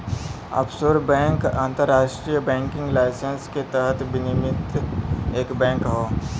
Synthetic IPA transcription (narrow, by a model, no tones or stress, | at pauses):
ɐ̰psoːɾbɛ̃ːŋkã̰ːnt̪əɾːaːʃʈɾijəbɛ̃ːŋkɪ̃ŋɡlaːɪsənsket̪əɦət̪ʰbɪnɪmɪt̪eːkbɛ̃ːŋkɦoː